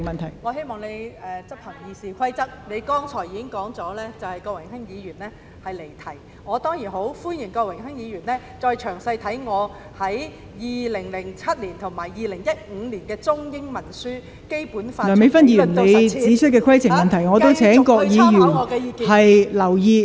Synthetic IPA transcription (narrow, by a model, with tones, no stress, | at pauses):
ŋmɐ˨nt̪ʰɐ˨˩jŋɔː˨˧ɦe˥jmɔː˨ŋne˨˧jɛː˨t͡sɐ˥p̚hɐ˨˩ŋjiː˨˧siː˨˩kʷʰɐ˥jt͡sɐ˥t̚ne˨˧jkɔː˥ŋt͡sʰɔː˨˩jiː˧kɪ˥ŋkɔː˨˥ŋt͡sɔː˨˥lɛː˥t͡sɐ˨whɐ˨jkɔː˧k̚wɪ˨˩ŋhɪ˥ŋjiː˨˧jyː˨˩nlɛː˥ | hɐ˨jle˨˩jt̪ʰɐ˨˥j | ŋɔː˨˧t̪ɔː˥ŋjiː˨˩nɦo˨˥wfuː˥nji˨˩nkɔː˧kwɪ˨˩ŋɦɪ˥ŋjiː˨˧jyː˨˩nlɛː˥ | t͡sɔː˧jt͡ʃʰœː˨˩ŋsɐ˧jt̪ʰɐ˨˥jŋɔː˨˧ | hɐ˨˥j | jiː˨lɪ˨˩ŋlɪ˨˩ŋt͡sʰɐ˥t̚liː˨˩nt̪ʰʊ˨˩ŋmaː˨˩jjiː˨lɪ˨˩ŋjɐ˥t̚ŋ̩˨˧liː˨˩nkɛː˧t͡sʊ˥ŋjɪ˥ŋmɐ˨˩nsyː˥ | ke˥jpuː˨˥nfaɔː˨˩me˨˧jfɐ˥njiː˧˨˩nle˨˧jt͡siː˨˥t͡ʃʰɵ˥t̚kːɛː˧kʷʰɐ˥jt͡sʰɪ˨ŋmɐ˨nt̪ʰɐ˨˩jŋɔː˨˧t̪o˥wt͡sʰɛː˨˥ŋkɔː˧k̚jiː˨˧jyː˨˩nː˨˧kɛː˧˨hɐ˨jlɐ˨˩wjiː˧